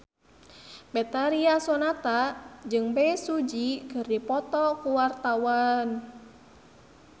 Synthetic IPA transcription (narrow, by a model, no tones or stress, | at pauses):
bɛt̪aɾiasɔnat̪ad͡ʒɨŋbɛsud͡ʒikɨrdipɔt̪ɔkuwart̪awan